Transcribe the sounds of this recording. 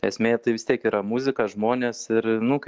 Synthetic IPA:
ɛsʲmʲeːɛt̪ɐɪʋʲɪst̪ʲiɛkiːɾɐmuzʲɪkɐʒmoːnʲeːsɪɾnʊk

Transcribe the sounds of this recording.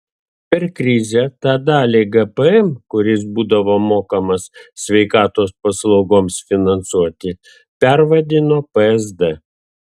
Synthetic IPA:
pʲɛɾkɾʲɪzʲɛt̪ɑːd̪ɑːlʲeːɡɐpɛɛmkʊɾʲɪsbuːd̪ɐʋoːmoːkɐmɐssʲʋʲɛɪkɑːt̪oːspɐslˠɐʊɡoːmsfʲɪnɐnt̪suɔt̪ʲɪ | pʲɛɾʋɐd̪ʲɪnoːpɛɛzd̪ɛ

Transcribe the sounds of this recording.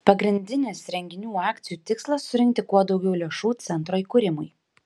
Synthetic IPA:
pɐɡɾʲɪnʲd̪ʲɪnʲɪsɾʲɛŋʲɡʲɪnʲuːɑːkʲt̪sʲɪjuːt̪ʲɪkslˠɐsːʊɾʲɪŋkt̪ʲɪkuɔd̪ɒʊɡʲɛʊlʲeɛʃuːt̪sʲɛnt̪ɾoːikʊɾʲɪmʊj

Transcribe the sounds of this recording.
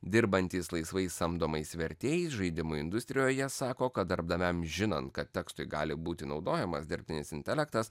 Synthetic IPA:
d̪ʲɪɾbɐnʲt̪ʲiːslˠɐɪsʋɐɪsɐmd̪oːmɐɪsʋʲɛɾʲt̪ʲeːjɛɪsʒɐɪd̪ʲɪmʊɪnd̪ʊst̪ʲɾʲɪjoːjɛsɑːkoːkɐt̪d̪ɐɾbd̪ɐmʲɛmʒʲɪnɐnt̪kɐt̪ʲtʲɛkst̪ʊɪɡɑ̰ːlʲɪbuːt̪ʲɪnɒʊd̪oːjɛmɐsd̪ʲɪɾʲpʲt̪ʲɪnʲɪsʲɪnʲt̪ʲɛlʲɛkt̪ɐs

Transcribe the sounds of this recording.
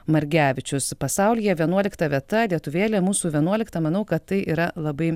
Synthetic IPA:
mɐɾʲɡʲæːʋʲɪt͡ʃʲʊspɐsɐʊlʲɪjɛʋʲiɛnuɔlʲɪkt̪ɐʋʲiɛt̪ɐlʲiɛt̪ʊʋʲeːlʲemuːsuːʋʲiɛnuɔlʲɪkt̪ɐmɐnɐʊkɐt̪t̪ɐɪʔiːɾɐlˠɐbɐɪ

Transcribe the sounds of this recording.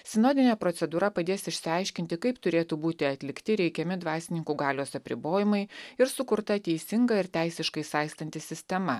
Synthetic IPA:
sʲɪnoːd̪ʲɪnʲeːpɾɔt̪sʲɛd̪uːɾɐpɐd̪ʲeːsɪʃʲsʲɪɑɪʃʲkʲɪnʲt̪ʲɪkɐɪpt̪ʊɾʲeːt̪uːbuːt̪ʲɪɐt̪ʲlʲɪkt̪ʲɪɾʲɛɪkʲɛmʲɪd̪ʋɑːsʲɪnʲɪŋkuːɡɑːlʲoːsɐpʲɾʲɪboːjɪmɐɪɪɾsʊkʊɾt̪ɐt̪ʲɛɪsʲɪŋɡɐɪɾt̪ʲæɪsʲɪʃkɐɪsɑˑɪst̪ɐnʲt̪ʲɪsʲɪsʲt̪ʲɛmɐ

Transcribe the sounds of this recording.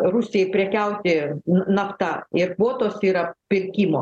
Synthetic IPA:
ɾusʲɪjɛɪpʲɾʲɛkʲɛʊt̪ʲɪnɐpt̪ɐɪrkʋoːt̪oːsiːɾɐpʲɪɾʲkʲiːmoː

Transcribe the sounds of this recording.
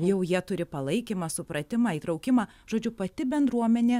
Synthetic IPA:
jɛʊjiɛt̪ʊɾʲɪpɐlˠɐɪkʲimɑsʊpɾɐt̪ʲɪmɐːiːt̪ɾɐʊkʲɪmɑː | ʒ̥oːd͡ʒʲʊpɐt̪ʲɪbʲɛnd̪ɾuɔmʲɛnʲeː

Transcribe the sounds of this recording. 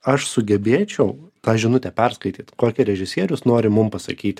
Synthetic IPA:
ɐʃsʊɡʲɛbʲeːt͡ʃʲɛʊt̪ɑːʒʲɪnʊt̪ʲɛpʲɛɾskɐɪt̪ʲiːt̪koːkʲɪɾʲɛʒʲɪsʲiɛɾʲʊsnoːɾʲɪmʊmpɐsɐ̰kʲiːt̪ʲ

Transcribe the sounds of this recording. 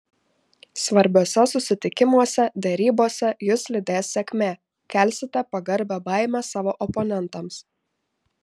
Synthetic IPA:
sʋɐɾʲbʲoːsʲɛsʊsʲɪt̪ʲɪkʲɪmuɔsʲɛd̪ʲɛɾʲiːboːsʲɛjʊslʲɪd̪ʲeːsːʲɛkʲmʲeː | kʲɛˑlʲsʲɪt̪ʲɛpɐɡɐɾʲbʲɛbɑˑɪmʲɛsɑːʋoːʔɔpɔnʲɛnt̪ɐms

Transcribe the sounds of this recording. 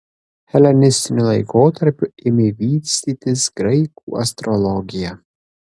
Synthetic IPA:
hʲɛlʲɛnʲɪsʲt̪ʲɪnʲulˠɐɪkoːt̪ɐɾʲpʲʊɪmʲɪʋʲiːt̪ʲsʲt̪ʲiːt̪ʲɪsɡɾɐɪkṵːɐ̰st̪ɾɔlˠɔɡʲɪjɛ

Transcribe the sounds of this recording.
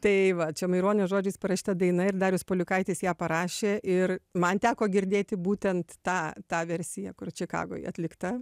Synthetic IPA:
t̪ɐɪʋɐt͡ʃʲɛmɐɪɾoːnʲeʒoːd͡ʒʲɛɪspɐɾɐʃʲi̥t̪ɐd̪ɐɪnɐɪrd̪ɑːɾʲjʊspoːlʲʊkɐɪt̪ʲeːsjæːpɐɾɑːʃʲeːʔɪrmɐnt̪ʲæːkoːɡʲɪɾʲd̪ʲeːt̪ʲɪbuːt̪ʲɛnt̪tɑːt̪ɑːʋʲɛɾʲsʲɪjɛkʊrt͡ʃʲɪkɑ̰ːɡo̰ːjɐt̪ʲlʲɪkt̪ɐ

